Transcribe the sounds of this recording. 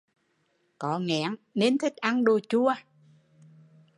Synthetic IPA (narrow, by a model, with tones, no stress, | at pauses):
kɔ˨˩ŋɛ̰˧˩˥əŋne˨˧nt̪ʰï˦˥k̟̚ʔa˧nɗo˧˩jt͡ɕu˧ə